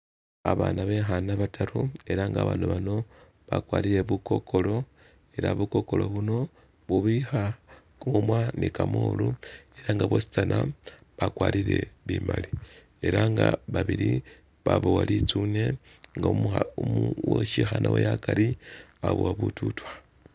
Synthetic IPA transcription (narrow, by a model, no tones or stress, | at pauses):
aβaːnaβe̞xanaβataɾue̞ɾaŋɡaːβaːnuβano̞ | βakwaːɾiɾe̞βuko̞kʰo̞lo̞ | e̞ɾa̰βuko̞ko̞lo̞βuno̞ | βuβixa | kuumwanikamoːlueɾaŋɡaβwosi̥t͡sanʔa | βakwaːɾiɾe̞βiːmali | e̞ɾaŋɡaβaβiɾi | βaβowalit͡sune̞ | ŋɡaumuwoʃixanʔawḛjakaɾia̰βowaβututwa